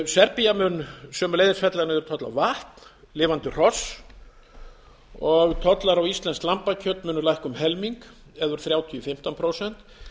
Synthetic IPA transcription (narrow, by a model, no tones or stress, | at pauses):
sɛɾpiamʏːnsœːmʏleːjðɪnsfɛt̪lanɪðɛɾʏt̪ʰɔt̪la̰vaht̪n̥ | lɪːvant̪ʏr̥ɔs | ɔɣt̪ʰɔt̪laɾawist̪lɛnsklampacʰœt̪mʏːnʏlajhkʏmɦɛlmiŋk | ɛðʏɾ̥θɾjaːwt̪ʰiɔfɪm̥t̪anpʰɾowsɛn̥t̪